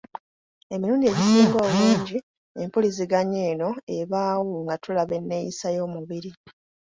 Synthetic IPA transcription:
e̞miɾuːndie̞ɟisiːŋɡwaomiːɲɟi | empuliziɡaɲe̞ːno̞eβaːwoŋɡatʰulaβe̞nːe̞jisajo̞ːmuβiɾi

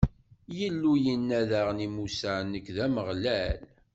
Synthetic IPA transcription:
jəlːujənːæðaʁnimusanːəkðæməʁlæl

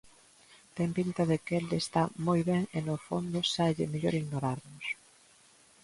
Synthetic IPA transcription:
t̪empint̪ɐðɪkeld̪est̪amojβɛŋenofond̪ʊsaʎɪ̰meʎoɾiɣnoɾaɾnʊs

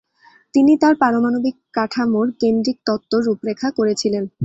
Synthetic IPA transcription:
t̪init̪aɾpaɾomanobikːaʈʰamoɾkend̪ɾik̚t̪ɔt̪ːoɾːupɾekʰːakoɾet͡ɕʰilen

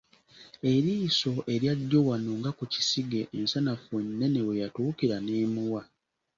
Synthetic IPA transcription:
e̞ɾiːso̞ʔe̞ɾjaɟːowanoŋɡakuci̥siɡe̞ʔːnsanafenːe̞ne̞wejatuːkiɾaneːmuwa

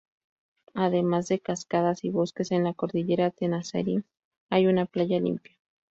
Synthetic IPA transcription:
aðe̞mazðe̞kaskaðasiβo̞ske̞se̞nlako̞ɾðiʝe̞ɾat̪enasa̰ɾi | ajunaplaʝalḭmpjḁ

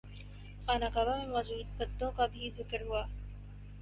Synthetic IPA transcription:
paːnakaːbamẽmɔːd͡ʒuːd̪̚bɐd̪ːõkabʱizɪkəɾɦuaː

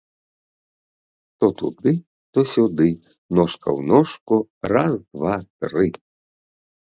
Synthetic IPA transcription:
t̪ɔt̪ṵd̪ɨ | t̪ɔsʲud̪ɪ | nɔʂkɐ̰wnɔʂkuɾazkvat̪ɾɪ

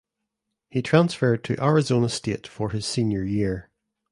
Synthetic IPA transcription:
hitʰɹ̥ãnsfɜ˞d̚tʰəʔaɹɪzonəsteʔfə˞ɪz̥sĩnjə˞jiɹ

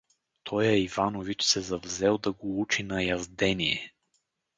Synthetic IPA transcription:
t̪ʰɔjɛivanovit͡ʃsɛzɐvzɛlˠd̪ɐɡout͡ʃinɐjɐzd̪ɛniɛ

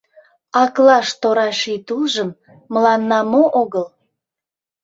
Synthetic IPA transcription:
ɑklɑʃt̪oɾɑʃit̪ulʒəmː | əlɑnːɑmoʔoɣəl

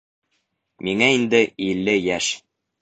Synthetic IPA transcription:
miŋæind̪ɘilːɘjæʃ

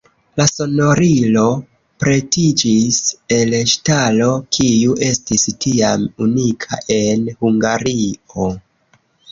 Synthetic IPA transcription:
laso̞no̞ɾilo̞ | pɾe̞tid͡ʒise̞lʃtalo̞kʰijuʔe̞stistʰiamunikʰa̰ʔe̞nhuŋɡaɾio

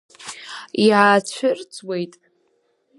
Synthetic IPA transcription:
iʕat͡ɕʷʰʊrt͡sʰʼwe̞jtʼ

